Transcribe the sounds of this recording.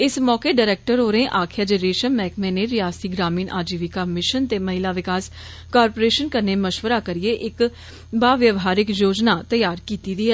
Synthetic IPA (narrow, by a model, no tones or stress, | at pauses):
ɪsmɔːkeɖaɾɛːk̚ʈəɾoːɾẽʔaːkʰjad͡ʒəɾeːʃənmɛ̃ːkmẽneɾɪjaːst̪iɡɾaːmiːnʔaːd͡ʒiːʋikamɪʃənt̪eːməɦɪlaːʋɪkaːs | kaːɾpoːɾeːʃənkəɾneməʃʋəɾakəɾieʔɪk | baːʋjəʋɦaːɾɪkjoːd͡ʒnaːt̪əjaːɾkiːt̪id̪iɛ